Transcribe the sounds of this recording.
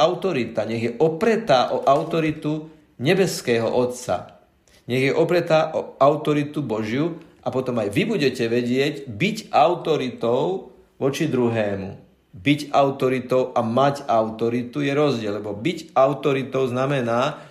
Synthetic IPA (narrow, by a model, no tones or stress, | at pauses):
aʊt̪ɔɾit̪aɲɛɣjɛʔɔpɾɛt̪aːʔɔʔaʊt̪ɔɾit̪u | ɲɛbɛskɛːɦɔ̰ʔɔt̪sa̰ | ɲɛɣjɛʔɔpɾɛt̪aːʔɔaʊt̪ɔɾit̪ubɔʒjuʔapɔt̪ɔmajʋibuɟɛcɛʋɛɟɪɛɟbicʔaʊt̪ɔɾit̪ɔʊ | ʋɔt͡ʃid̪ɾuɦɛːmṵ | bicaʊt̪ɔɾit̪ɔʊʔamacaʊt̪ɔɾit̪ujɛɾɔzɟɪɛllɛbɔbicaʊt̪ɔɾit̪ɔʊznamɛnaː